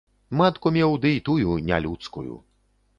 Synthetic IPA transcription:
mat̪kumʲɛwd̪ɨit̪ujunʲalʲut̪skujṵ

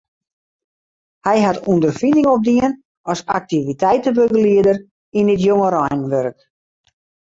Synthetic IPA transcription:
hɛjɦatundərfinɪŋop̚diən | ɔsa̰k̚tivitʰɛjtəbøɡəliədər | inɪt̬joŋəɾɔjnʋørk

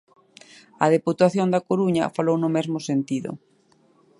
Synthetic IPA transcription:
ɐðeput̪aθjond̪ɐkoɾuɲɐ̰falownʊmɛzmʊsent̪iðʊ̰

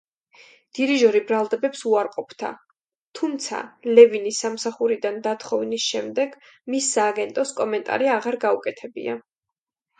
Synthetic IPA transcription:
d̪̥iɾiʒɔɾibɾalˠd̪ɛbɛpsuaɾqʼɔpʰd̪̥ʰa̰ | t̪ʰumt̪sʰa̰lɛvinisːamsaχuɾid̪and̪at̪ʰχɔvnisʃɛmd̪ɛɡ̥ | misːaːɡɛnt̪ʼɔskʼɔmɛnt̪ʼa̰ɾiaʁaɾɡaukʼɛt̪ʰɛbḭa̰

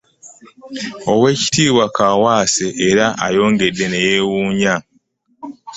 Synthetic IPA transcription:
o̞we̞ːci̥tiːβwakaːwaːseʔːɾaʔa̰jo̞ːŋɡe̞dːe̞ne̞jeːwuːɲa

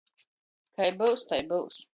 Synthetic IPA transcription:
kajbɨwst̪ajbɨws

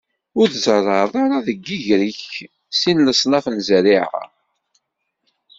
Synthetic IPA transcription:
ʊɾθzərˤːɑðˤaɾaðəɡːiʝɾəç | sinləsˤnɑfənzəɾiʕa̰

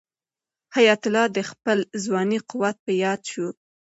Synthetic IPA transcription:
hajat̪ʊlɑd̪əxpəlzwɑniqʊwat̪̚pəjɑd̪ʃu

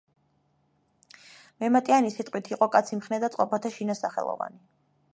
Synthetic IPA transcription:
mɛmat̪ʼianisit̪ʼqʼwit̪ʰiqʼɔkʼat̪sʰimχnɛd̪at̪sqʼɔpʰat̪ʰaʃinasaχɛ̰lˠɔ̰va̰ni

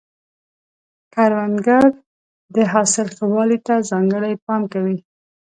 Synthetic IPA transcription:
kaɾwanɡaɾ | d̪əɦɑsɪlxəwɑlit̪azɑŋɡəɽajpɑmkawi

